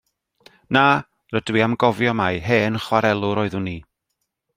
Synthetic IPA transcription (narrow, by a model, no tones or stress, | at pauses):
naː | rədwiamɡɔvjɔmajɦeːnχwaɾɛlˠʊɾoːɨðʊniː